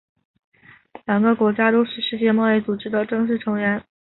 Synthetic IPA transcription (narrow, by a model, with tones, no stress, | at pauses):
ljɑ˨˩ŋɡə˦kwɔ˧˥t͡ɕja˥t̪o˥ʊʂɻ̩˥˧ʂɻ̩˥˧t͡ɕjɛ˥˧mɑ˥˧ʊi˥˩t͡su˨˩ʈ͡ʂɻ̩˥d̪ə˨ʈ͡ʂɤ˥˧ŋʂ̬ɻ̩˥˩ʈ͡ʂʰɤ˧˥ŋɥɛ˧˥n